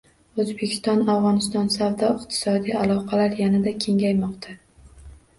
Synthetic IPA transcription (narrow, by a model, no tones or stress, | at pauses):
ɵzbekʲʰɪ̥st̪ɒnavʁɒnɪst̪ɒnsavd̪ɒɪqt̪ʰɪ̥sɒd̪ijalˠɒqʰɑlaɾjanad̪akʲʰe̞ŋajmɒqt̪ʰa